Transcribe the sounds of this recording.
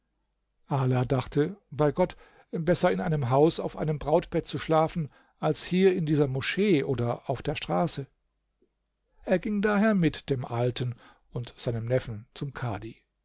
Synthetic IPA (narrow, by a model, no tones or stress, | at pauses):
ʔaːlaːdaχtʰəb̥aɪɡɔt | bɛsɐɪnʔaɪnəmɦaʊsaʊfʔa̰ɪnəmbʁaʊtb̥ɛt̚t͡suʃlaːfn̩ | ʔalshiːɐɪndiːzɐmoʃeːʔoːdɐʔaʊfd̥eːɐʃtʁ̥aːsə | ʔeːɐɡɪŋdaːɦeːɐmɪtd̥eːmʔaltən | ʊntz̥aɪnəmnɛfn̩t͡sʊmkʰa̰ːdi